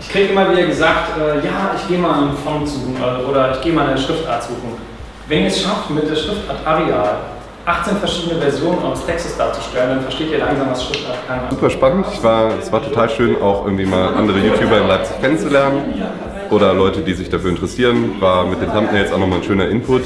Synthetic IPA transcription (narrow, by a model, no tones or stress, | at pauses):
ʔɪçkʁ̥iːɡəʔɪmɐviːdɐɡəzaːktʔɛːjaːʔɪçɡ̥eːəmaːlɪnfɔŋt͡suːʔɛːʔoːɾɐɪçɡ̥eːəmaːlɪnʃʁ̥ɪftʔa̰ːɐtz̥uːχŋ̩ | vɛniəɐɛsʃaftmɪt̚d̥eːɐʃʁ̥ɪftʔaːɐtʔaʁeaːl | ʔaχt͡seːnfɛɐʃiːdənəvɛɐzjoːnənʔa̰ɪʁəstʰɛkstəsd̥aːt͡su̥ʃtɛləndanfɛɐʃteːtiːɐlaŋzaːmvasʃʁ̥ɪftʔaɐtkʰanzuːpɐʃpanəntɪçv̥aːɐɛsv̥aːɐtʰotʰaːlʃøːnʔa̰ʊxʔɪ̰ɐɡŋ̩tv̥iːmaːlʔa̰ndəʁ̞əjuːtjuːbɐɪnlaɪp̚t͡sɪ̥çkʰɛnənt͡sulɛɐnən | ʔoːɾɐlɔʏtədiːzɪçd̥afyːɐɪntəʁəsiːʁənvaːɐmɪt̚d̥eːntʰamtnɛɪsʔaʊxnɔχmaːln̩ʃøːnɐʔɪnpʰʊt